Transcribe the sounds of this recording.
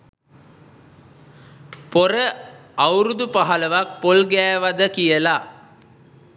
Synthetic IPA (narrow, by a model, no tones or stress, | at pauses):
poɾəawɾud̪upaɦaləʋak̚polɡæːʋad̪əkijəla